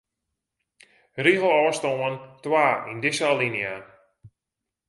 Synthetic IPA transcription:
riɦəl̩ˠɔəstoəntwaːindɪsalinja

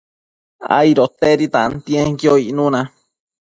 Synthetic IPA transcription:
a̰iɾot̪eɾit̪ãnt̪ĩẽŋkjoiʔnũnã

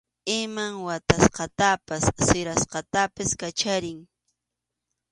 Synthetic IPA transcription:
ɪmaŋwat̪asqɑt̪apasːɪɾasqɑt̪apɪskat͡ʃaɾɪŋ

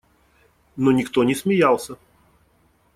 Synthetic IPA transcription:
nonʲɪkt̪onʲɪsmʲɪjalˠsʲə

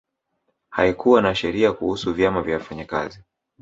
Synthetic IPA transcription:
haikuwanaʃɛɾiakuhusuvjamavjawafaɲaka̰zi

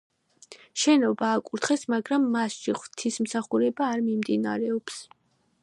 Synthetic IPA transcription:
ʃɛnɔbaːkʼuɾt̪χɛsmaɡɾamːasʃiχwt̪ʰismsaχuɾɛbaːɾmimd̪ina̰ɾɛɔps

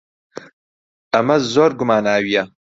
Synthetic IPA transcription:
ɐmɐzoːɾɡʊmaːnaːwijɐ

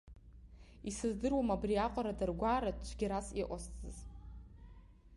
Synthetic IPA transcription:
isɨzdɨrwamabriaqʷʼaɾadarɡʷaːɾat͡ʃʷʰɡʲiɾasiʔʷost͡sʼɨz

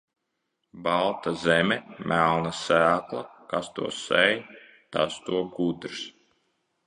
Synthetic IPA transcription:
bɑlˠt̪azɛmʲɛmʔælˠnasæːklˠakast̪ṵɔsɛj | t̪a̰st̪uɔɡud̪ɾs

